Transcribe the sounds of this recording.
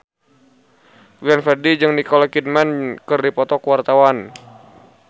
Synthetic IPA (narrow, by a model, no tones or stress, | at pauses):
ɡlɛnfɛrdid͡ʒɨŋnikɔlɔkid̚mankɨrdipɔt̪ɔkwart̪awan